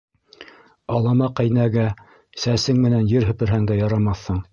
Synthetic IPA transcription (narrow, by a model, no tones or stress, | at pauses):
ɑlˠɑmɑqæjnæɡæ | sæsɘŋmɘ̆nænjɘɾɦɵ̆pɘ̆ɾɦæŋd̪æjɑɾɑmɑθːɤɴ